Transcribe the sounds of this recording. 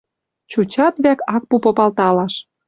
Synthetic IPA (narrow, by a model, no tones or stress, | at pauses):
t͡ɕut͡ɕɑt̪βækɑk̚pupŏpɑlt̪ɑlɑʃ